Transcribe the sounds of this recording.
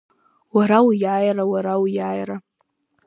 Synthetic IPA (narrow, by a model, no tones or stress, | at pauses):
waɾawjaːjrawaɾawjaːjra